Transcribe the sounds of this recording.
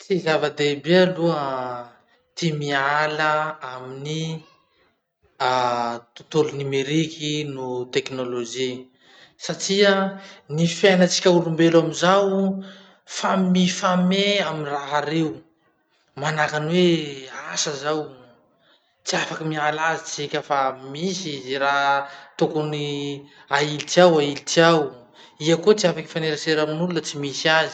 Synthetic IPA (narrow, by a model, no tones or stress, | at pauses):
t͡sizavəd̪ebealuə | t̪imialəamini | at̪u̥t̪ulunimeɾikʰinut̪eknoloʒi | saʈ͡ʂianifenət͡si̥kʲauɾumbelamizaw | famifameaminraɦaɾew | manakanweasazaw | t͡siafakimialazit͡sikʲafamiszirat̪okuniailitiawailitiaw | iakot͡siafaki̥faneɾaseɾaminulunət͡simisiazi̥